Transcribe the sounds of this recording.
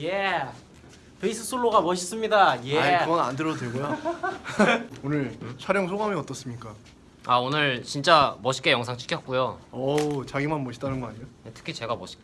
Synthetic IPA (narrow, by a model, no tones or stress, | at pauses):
je | peis͈ʰɯsʰoɭːoɡamʌɕʰis͈ɯmɲidajeaɲiɯɡʌnandɯɾʌodweɭɡoja | onɯɭt͡ɕʰwaɾjʌŋsʰoɡamiʌt͈ʌs͈ɯmɲik͈a | aonɯɭt͡ɕint͡ɕ͈amʌɕʰi̥k͈e̞jʌŋsʰaŋt͡ɕʰɯ̥kʰjʌt̚k͈ujoʌt͡ɕaɡimanmʌɕʰi̥t͈anɯnɡʌaɲijojetʰɯ̥kʰit͡ɕe̞ɡamʌɕʰi̥k